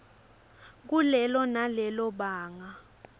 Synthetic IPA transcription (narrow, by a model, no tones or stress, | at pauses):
k̬ulɛlɔnalɛlɔɓaːŋa